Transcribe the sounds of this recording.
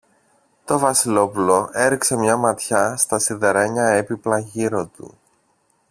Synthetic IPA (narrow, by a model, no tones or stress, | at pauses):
t̪o̞vɐsilo̞pulo̞e̞ɾikse̞mɲɐmɐt̪çɐst̪ɐsiðe̞ɾe̞ɲɐe̞piplɐʝiɾo̞t̪ṵ